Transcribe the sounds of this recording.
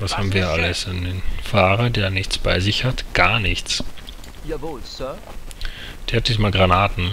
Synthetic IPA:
vashaːbm̩viːɐʔaləsandeːnfaːʁɐdeːɐnɪçt͡sb̥aɪzɪçhatɡ̥aːɐnɪçt͡s | d̥eːɐhat̚d̥iːsmaːlɡʁanaːtn̩

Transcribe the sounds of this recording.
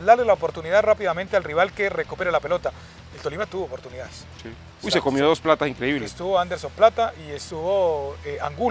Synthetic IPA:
d̪aɾlelaopo̞ɾt̪uniðarapiðamẽnt̪ealriβ̞alke̞re̞kupe̞ɾelape̞lo̞t̪a | elt̪o̞limat̪uβoːpo̞ɾt̪uniðaes | si | ujssekomjoðo̞splat̪asiŋkɾeiβlest̪uβoand̪e̞ɾso̞mplat̪aʔiest̪uβo̞eaŋɡu

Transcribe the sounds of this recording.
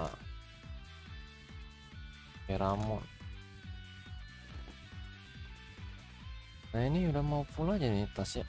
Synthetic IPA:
a̰ | peɾamɔ̰n | nainiudahmaupulad͡ʒadit̪asi

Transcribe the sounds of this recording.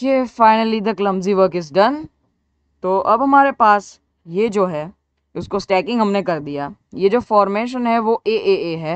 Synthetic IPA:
kefaɪnəlid̪ɐklɐ̃mziʋəɾkɪzɖɐn | t̪oːʔɐbɦɐmaːɾepaːs | jed͡ʒoːɦɛː | ʊskosʈɛːkɪ̃ŋɡɦɐmnekɐɾd̪ijaːjed͡ʒoːfɔːɾmeːʃ̬ənɦɛʋoʔeːʔeːeːɦɛː

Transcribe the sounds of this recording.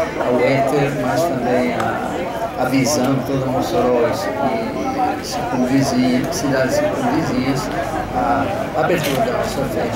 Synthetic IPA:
awɛt̪eɾmast̪ɐ̃mbẽj̃a | avizɐ̃d̪ʊt̪od̪ɐmosɾɔjɐskĩ | sikõvizisid̪ad̪ɪsikõviziɐs | a | abeɾt̪uɾɐd̪asɐ̃vɛ

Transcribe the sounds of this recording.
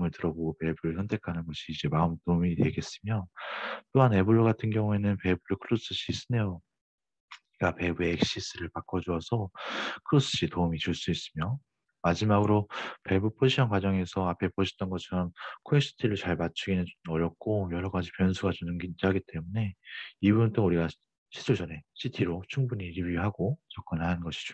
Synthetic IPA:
mɯɭtɯɾʌboɡope̞buɾɯɭsʰʌntʰe̞kʰanɯnɡʌɕʰiːd͡ʑe̞maɯmtomite̞ɡe̞s͈ɯmjʌt͈oɦane̞buɭːoɡatʰɯnɡjʌŋue̞nɯnpe̞buɾokʰɯɾus͈ɯɕ͈ʰis͈ɯnejo | iɡape̞bueek̚ɕ͈is͈ɯɾɯɭpak͈ʌd͡ʑuʌsʰʌkʰɯɾos͈ʰɯɕ͈ʰitoɯmit͡ɕuɭs͈uis͈ɯmjo | mad͡ʑimaɡɯɾope̞bupʰod͡ʑiɕʰʌnkwad͡ʑʌŋe̞sʰʌapʰe̞pʰoɕʰi̥t͈ʌnɡʌt͡ɕʰʌɾʌmkʰoes͈ʰi̥tʰiɾɯɭt͡ɕaɭmat͡ɕʰuɡinɯʌɾjʌk̚k͈ojʌɾʌɡad͡ʑipjʌnsʰuɡat͡ɕunɯŋɡind͡ʑiɦaɡit͈e̞mune̞ibuunt͈onuɾiɡa | ɕʰi̥sʰuɭd͡ʑʌne̞ɕʰitʰiɾot͡ɕʰuŋbuɲiɾibiɦaɡot͡ɕʌk͈ʌnɭhanɯnɡʌɕʰi̥t͡ɕ

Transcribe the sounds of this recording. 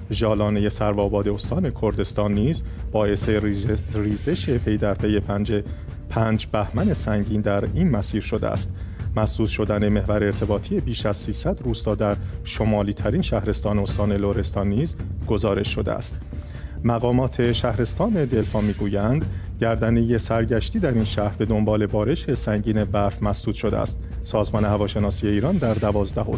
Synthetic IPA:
ʒɒːlɒːne̞je̞sæɾvɒːbɒːd̪eost̪ʰɒːne̞kʰo̞ɾd̪e̞st̪ɒːnːiːzb̥ɒːʔe̞se̞riːze̞ʃe̞pʰe̞jd̪æɾpʰe̞je̞pʰænd͡ʒe | pʰæːnd͡ʒbæhmæne̞sæŋɟiːnd̪æɾiːnmæsiːɾʃo̞d̪ḛæ̰st̪mæsuːt̪ʃo̞d̪æne̞me̞hvæɾeːɾt̪ʰe̞bɒːt̪ʰije̞biːʃæz̥siːsæd̪ruːst̪ɒːd̪æɾʃo̞mɒːliːt̪ʰæɾiːnʃæhɾe̞st̪ɒːneost̪ɒːne̞loɾe̞st̪ɒːnːiːzɡ̥o̞zɒːɾe̞ʃːo̞d̪eæ̰st̪ | mæɣɒːmɒːt̪ʰe̞ʃæhɾe̞st̪ɒːne̞d̪e̞lfɒːmiːɡuːjænd̪ | ɟæɾd̪æneje̞sæɾɟæʃt̪iːd̪æɾiːnʃæhɾbe̞d̪o̞mbɒːle̞bɒːɾe̞ʃe̞sæɲɟiːnebæɾfmæsd̪uːt̪ʃo̞d̪ḛæ̰st̪ | sɒːzmɒːne̞hævɒːʃe̞nɒːsije̞iːɾɒnd̪æɾd̪ævɒːzd̪æho

